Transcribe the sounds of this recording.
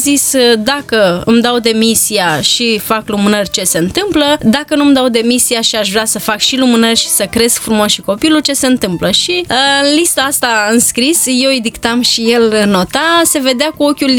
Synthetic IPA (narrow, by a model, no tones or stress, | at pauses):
zisd̪akəɨ̰md̪awd̪e̞misiaʃifaklumɨnərʲt͡ʃe̞se̞ɨnt̪ɨmpləd̪akənumd̪awd̪e̞misiaʃiaʃvɾʲeasəfakʃilumɨnərʲʃi̥səkɾe̞skfɾumoʃiko̞pilut͡ʃe̞se̞ɨnt̪ɨmpləʃiɨnlist̪aast̪aɨnskɾisje̞wid̪ikt̪amʃije̞lɨnːo̞t̪ase̞ve̞d̪eakuo̞kʲul